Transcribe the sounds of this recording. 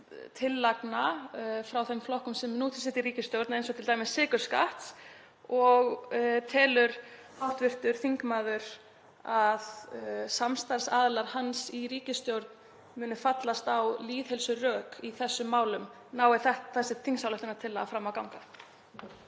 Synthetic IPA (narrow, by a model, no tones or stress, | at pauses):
t̪ʰɪlːaknafɾawθɛmflɔhkʏmsɛmnuːt̪ʰɪ̥sɪht̪iɾiːcɪst̪jowɾt̪naejnsɔwt̪ʰɪlt̪ajmɪsːɪːkʏɾ̥ska̰ht̪s | ɔɣt̪ʰɛːlʏɾ̥ | hawht̪vɪr̥t̪ʏɾ̥θiŋkmaːðʏɾ̥ | aðsamst̪aɾ̥saːðlaɾ̥hansiɾiːcɪst̪jowɾt̪̚n | mʏːnɪfat̪last̪awliːðhɛlsʏrœːkiθɛsːʏmːaːwlʏm | naːwɛθɛht̪θɛsːɪt̪ʰiŋsawlɛht̪ɪnat̪ʰɪlːaafɾamːawkawŋka